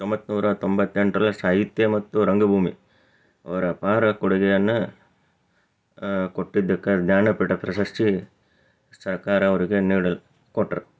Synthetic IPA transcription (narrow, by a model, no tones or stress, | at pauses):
t̪ombɐt̪ːnuːɾɐt̪ombɐt̪ːeɳʈɾɐlɐsaːɦit̪jɐmɐt̪ːuɾɐŋɡɐbʱuːmi | ɐ̰ʋɐɾɐpaːɾɐkuɽɐɡɛjɐnːɐ | koʈːid̪ːɐkːɐd̪ɲaːnɐpiʈɐpɾɐʃɐʂʈi | sɐɾkaːɾɐːʋɐɾiɡeniːɽɐl | koʈːɐɾ